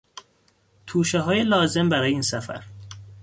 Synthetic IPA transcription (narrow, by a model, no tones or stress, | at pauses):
t̪ʰuːʃeɦɒːje̞lɒːze̞mbæɾɒːjeiːnsæfæ̰ɾ